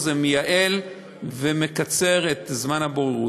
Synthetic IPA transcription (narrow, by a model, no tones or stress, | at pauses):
zemejaʔe̞l | vemekat͡se̞ʁet̪zmanhaboʁeʁu